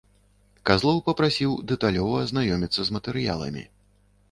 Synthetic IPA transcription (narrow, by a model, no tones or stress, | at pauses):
kazlˠɔwpɐpɾasʲiwd̪ɛt̪alʲɔvɐːznajɔmʲit̪sːɐzmɐt̪ɛɾɨja̰lˠɐ̰mʲḭ